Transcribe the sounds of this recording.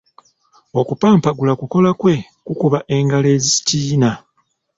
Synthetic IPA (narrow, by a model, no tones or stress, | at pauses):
o̞kupaːmpaɡulakuko̞lakwe̞ | kukuβaʔe̞ŋɡale̞ːzisi̥tiːna